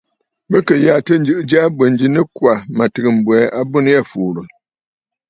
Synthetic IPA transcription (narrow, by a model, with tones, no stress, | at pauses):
bɨ˦kɨ˨ja˨tɨ˦n̩˦d͡ʒɨ˦˨ʔɨ˦d͡ʒa˦bə˨n˨d͡ʒi˨nɨ˦kwa˨ma˨tɨ˨ɡɨ˨m̩˨bwɛ˨˦a˦bu˦n˦ja˦fuː˨ɾɨ˨